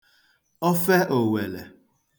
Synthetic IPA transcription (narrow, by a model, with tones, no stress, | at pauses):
ɔ˦fɛ˦ʔo˨we˨lḛ˨